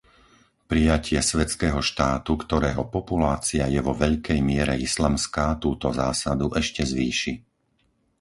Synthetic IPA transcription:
pɾijacɪɛsʋɛt͡skɛːɦɔʃt̪aːt̪ukt̪ɔɾɛːɦɔpɔpulaːt͡siajɛʋɔʋɛʎkɛjmɪɛɾɛ̰islaːmskaːt̪uːt̪ɔzaːsad̪uʔɛʃcɛzʋiːʃi

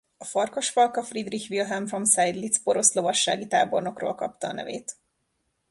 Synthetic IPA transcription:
ɒfɒrkoʃfɒlkɒfrid̪rixʋilɦɛmfro̞msajd̪lit̪spo̞ɾo̞slo̞vɒʃːa̰ːɡit̪a̰ːborno̞kro̰ːlkɒpt̪ɒːnɛ̰vḛːt̪

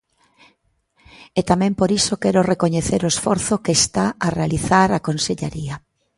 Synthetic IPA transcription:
et̪amɛ̃mpoɾisokɛɾorekoɲeθeɾoesfɔɾθokest̪aarealiθaɾakonseʎa̰ɾia

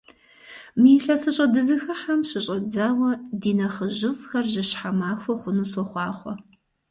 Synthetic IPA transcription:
miːɬɐsɨɕʼɐdɨzɨxɐħamʃɪɕʼɐd͡zaːwɐdiːnɐχəʒɨfxɐrʒɨɕħamaːxʷɔχʷʊnusɔχʷɑːχʷɔ̰

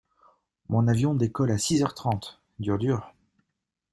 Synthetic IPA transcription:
mɔ̃navjɔ̃d̪ekɔlasizœʁt̪χɑ̃t̪ | d̪yʁd̪yːʁ

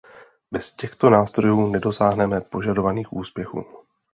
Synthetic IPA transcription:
bɛscɛxt̪o̞naːst̪ɾo̞juːnɛdo̞saːɦnɛmɛpo̞ʒado̞vaniːxʔuːspjɛxṵː

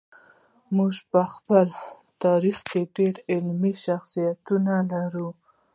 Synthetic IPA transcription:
muʒpəxpəl | t̪ɑɾixkeɖeɽɪlmiʃaxsijat̪unalaɾu

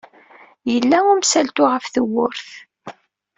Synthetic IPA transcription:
jəlːæʊmsælt̪ʊʁəfθəwːʊɾθ

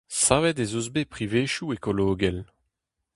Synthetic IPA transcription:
saːvɛt̪ezozbepχiveːʃuekoloːɡɛl

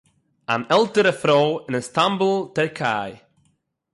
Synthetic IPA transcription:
a̰nɛlˠtəɾəfɾoːɪnənstambəlˠtɛɾkʰa̰ːj

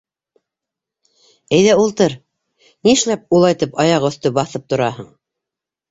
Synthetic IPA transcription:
æjðæulˠt̪ɤɾ | niɘ̆ʃlæp̚ulˠɑjt̪ɤpɑjɑqɵ̆θt̪ɵbɑθɤp̚t̪ŏɾɑɦɤɴ

